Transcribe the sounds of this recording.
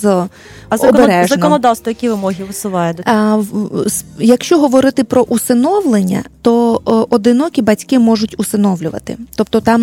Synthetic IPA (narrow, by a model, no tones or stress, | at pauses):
z | zɐɔeɾɛʒzɐnɔnɔd̪ɑwst̪ʋɔjɐkʲiʋɪmɔɦʲiʋɪsʊʋɑjʊ | sjɐkʃt͡ʃɔɦɔʋɔɾɪt̪ɪpɾɔʔusɪnɔwlˠenʲːɐ̰t̪ɔɔd̪ɪnɔkʲibɐtʲkɪmɔʒʊtʲusɪnɔwlʲʊʋɐ̰t̪ɪ̰t̪ɔp̚t̪ɔt̪ɑm